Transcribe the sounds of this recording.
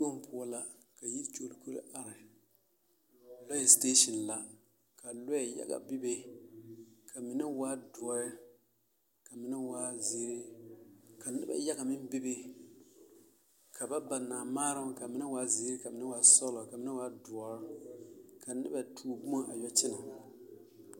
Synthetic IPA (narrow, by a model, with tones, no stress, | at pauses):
o˦m˦pʰʊ˦ɔ˦la˦ | ka˨ji˦t͡ʃo˦˨lku˦ɾɨ̰˦ʔa˨ɾɪ˨ | lɔ˦jɛ˨steː˦ʃɔ˨n˨la˦ | ka˨lɔ˦jɛ˨ja̰˦ɡa̰˨bɪ˦be˦ | kʰa˨mɪ˨na˦wa˦dʊ˨ɔ˨ɾɪ˦ | ka˨mɪ˨˦na˦waː˦ze˦ɾi˦ | ka˨nɪ̰˦ba̰˨ja˦ɡa˨mɪ˦m˦bi˦be˦ | ka˨ba˦ba˨naː˨maː˦ɾɨ˦ka˨mɪ˦na˦waː˦ze˨˦ɾka˨mɪ˨˦na˦wa˦sɔ˦lɔ˨ka˨mɪ˦na˦wa˦dʊ˨ɔ˨ɾ | ka˨nɪ̰˦ba˨tʰuː˦bu˦a˦ʔa˨jɔ˦t͡ʃɪ˦na˨